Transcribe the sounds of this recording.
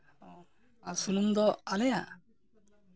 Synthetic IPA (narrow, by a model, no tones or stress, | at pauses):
asunumd̪ɔalɛja